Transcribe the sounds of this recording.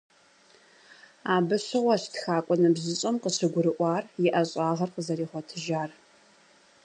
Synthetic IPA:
aːbɨɕɨʁʷɔɕtxaːkʷʼɔnɨbzɨɕʼɐmqəɕɨɡʷʊɾɨʔʷɑːrjɪʔɐɕʼɑːʁɐrqəzɐɾiːχʷɔtʰɨʒaːr

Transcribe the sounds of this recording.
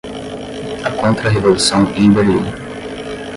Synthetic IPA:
ɐkõnt̪ɾɐɦevolusɐ̃w̃ĩbeɾḭ

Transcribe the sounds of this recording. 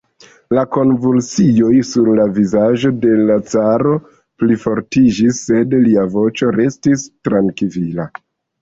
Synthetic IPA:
lako̞nvulsijo̞jsuɾlavizaʒo̞de̞lat͡saɾo̞ | plifo̞ɾtid͡ʒisːe̞dliavo̞t͡ʃo̞ɾe̞stistɾaŋkivila

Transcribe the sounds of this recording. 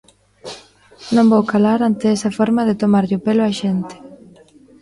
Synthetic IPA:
nõmbowkalaɾant̪eɛsɐfɔɾmɐðɪt̪omaɾʎopelʊaʃent̪ɪ̥

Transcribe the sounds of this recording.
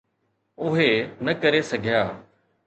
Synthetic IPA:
ʊɦenɐkəɾesɐɡʱɪjaː

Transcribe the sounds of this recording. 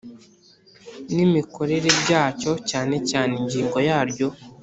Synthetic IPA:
nimiko̞ɾe̞ɾebɟaːco̞caːne̞caːneɲɟiːŋɡo̞jaːɾjo̞

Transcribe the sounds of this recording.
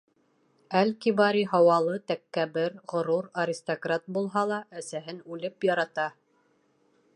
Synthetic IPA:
ælkiβɑɾiɦɑwɑlˠɤt̪ækːæbɘɾʁŏɾuɾɐɾʲɪst̪okrat̪̚bulˠɦɑlˠɑʔæsæɦɘnʉlɘpjɑɾɑt̪ɑ

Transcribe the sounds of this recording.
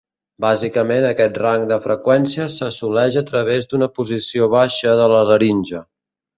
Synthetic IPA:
bazikəmenəkɛt̪raŋd̪əfɾəkwɛnsiəsəsulɛʒət̪ɾəβ̞ezd̪unəpuzisioβaʃəðələrəɾinʲʒə

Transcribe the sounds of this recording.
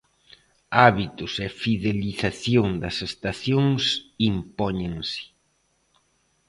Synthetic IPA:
aβit̪ʊsefiðeliθaθjoŋd̪ɐsest̪aθjoŋsimpɔɲẽŋsɪ̥

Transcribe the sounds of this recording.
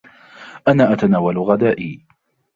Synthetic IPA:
ʔanaːʔat̪anaːwalɣad̪aːʔiː

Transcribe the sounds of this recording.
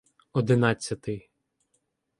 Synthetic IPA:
ɔd̪ɪnɑt͡sʲːɐt̪ɪ

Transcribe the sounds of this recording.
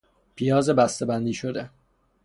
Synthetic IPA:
pʰijɒːzebæst̪ebænd̪iːʃod̪e

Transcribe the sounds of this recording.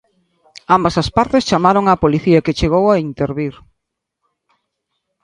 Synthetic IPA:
ambɐsɐspaɾt̪est͡ʃamaɾoŋapoliθiaket͡ʃeɣ̞owaint̪eɾβiɾ

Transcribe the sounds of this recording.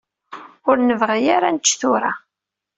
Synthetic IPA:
ʊɾnəvʁijaɾant͡ʃːθʊɾa

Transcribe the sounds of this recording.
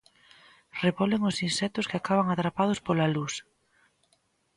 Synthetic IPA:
reβɔleŋʊsinsɛt̪ʊskɪakaβaŋat̪ɾapað̞ʊspolalus

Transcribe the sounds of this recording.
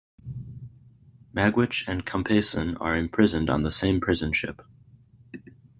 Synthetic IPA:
mæɡwɪt͡ʃɨ̃nkʰə̃mpʰeɪsɨ̃nə̰˞ɨ̃mpʰɹ̥ɪzɨ̃n̩dn̩ðəsẽɪ̃mpʰɹ̥ɪzɨ̃nʃɪ̰p

